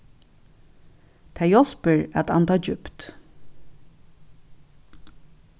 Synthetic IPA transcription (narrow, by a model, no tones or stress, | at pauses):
t̪ʰɛjɔl̥pəɹæ̰t̪a̰nt̪ɑːd͡ʒʏpt̪